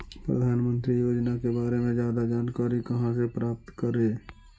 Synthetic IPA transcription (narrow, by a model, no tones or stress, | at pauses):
pɾə̰d̪ʱaːnmə̃nt̪ɾijoːd͡ʒnakebaːɾemẽd͡ʒjaːd̪ad͡ʒaːnkaːɾikəɦãsepɾaːp̚t̪kəɾe